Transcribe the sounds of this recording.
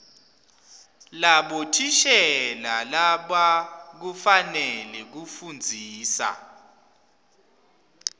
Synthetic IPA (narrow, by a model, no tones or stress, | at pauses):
laɓɔtʰiʃɛlalaɓak̬ufanɛlɛk̬ufund͡zʱiːsa̰